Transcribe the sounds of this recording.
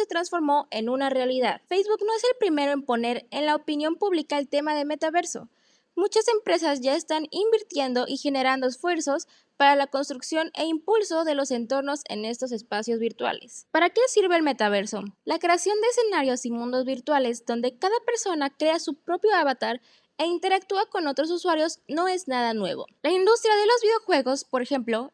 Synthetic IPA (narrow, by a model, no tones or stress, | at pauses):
se̞t̪ɾansfo̞ɾmo̞ʔe̞nũnare̞aliðaðfejzβukno̞e̞selpɾime̞ɾo̞empo̞ne̞ɾenlaopinjo̞mpuβlikaelt̪e̞maðe̞me̞t̪aβe̞ɾso̞̰ | mut͡ʃase̞mpɾe̞sazʝae̞st̪animbiɾt̪je̞nd̪o̞ʔixe̞ne̞ɾand̪oesfwe̞ɾso̞s | paɾalako̞nst̪ɾuksjo̞ne̞̰impulso̞ðe̞lo̞se̞nt̪o̞ɾno̞se̞̰ne̞st̪o̞s̬e̞spasjo̞zβiɾt̪wa̰le̞̰spaɾakesiɾβe̞ːlme̞t̪aβ̞e̞ɾso̞lakɾe̞asjo̞nd̪eeːse̞naɾjo̞simũnd̪o̞zβiɾt̪wale̞zðo̞nd̪e̞kaðape̞ɾso̞nakɾe̞asupɾo̞pjo̞aβat̪aɾ | e̞int̪e̞ɾak̚t̪uako̞no̞t̪ɾo̞s̬uswaɾjo̞zno̞e̞znað̞anwe̞β̞o̞̰laind̪ust̪ɾjaðe̞lo̞zβiðeoxwe̞ɣo̞spo̞ɾexe̞mplo̞